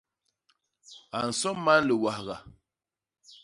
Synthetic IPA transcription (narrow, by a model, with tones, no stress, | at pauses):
a˨n̩˨sɔ˦mːa˦n˦lə˨wa˨hɣa˨